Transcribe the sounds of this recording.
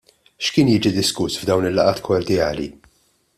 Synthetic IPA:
ʃkɪːnjɪːd͡ʒid̪ɪskʊsvd̪ɐwnɪlːɐʔɐːt̪kʰɔɾd̪jɐːlḭ

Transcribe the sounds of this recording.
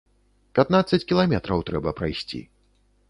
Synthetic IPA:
pʲat̪nat̪sːɐt͡sʲkʲilˠamʲɛt̪ɾɐwt̪ɾɛbɐpɾajsʲt͡sʲḭ

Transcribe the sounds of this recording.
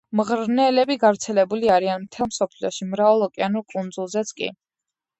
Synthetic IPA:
mʁɾnɛlɛbiɡavɾt̪sʰɛlɛbuliaɾianmt̪ʰɛlˠmsɔpʰliɔʃimɾavɛlˠɔkʼianuɾkʼund̪zulˠzɛt̪sʰkʼḭ

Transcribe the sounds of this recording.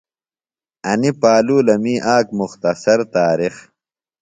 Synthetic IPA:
ɐnipaːluːlɐmiːʔaːkmuxt̪ɐsɐɾt̪aːɾix

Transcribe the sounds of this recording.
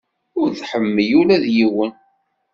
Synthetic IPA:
ʊɾðħəmːəjulæðjiwən

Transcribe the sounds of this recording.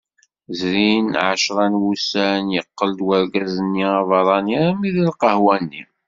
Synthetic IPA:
zɾinʕaʃɾˤɑnwusænjəqːəld̪wəɾɡæzənːiɑvɑɾˤɑnjmiðilqəhwænːḭm

